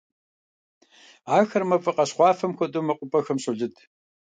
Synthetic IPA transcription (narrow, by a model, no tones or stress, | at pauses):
aːxɐrmɐfʼɨqɐɕχʷɑːfɐmxʷɔtʼumɐqʷʼʊpʼɐxɐmɕʼʊɮɨtʰʼ